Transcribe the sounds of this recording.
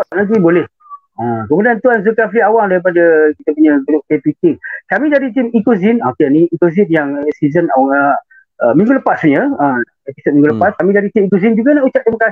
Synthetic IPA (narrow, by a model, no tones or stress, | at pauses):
anant̪̬ibolɛh | əkəmudiant̪uanzukafiawaŋdaɾip̬adakit̪əpuɲəd̪udʊʔ̚t̪et̪wikiŋkamĩdadit̪̬imikozinokeniikozinjaŋsizənawaŋə | əmĩŋɡuləpasɲəə | episot̪̚mĩŋɡuləpaskamĩdadit̪imikozind͡ʒuɡanaʔut͡ʃaʔ̚d̪emakasi̥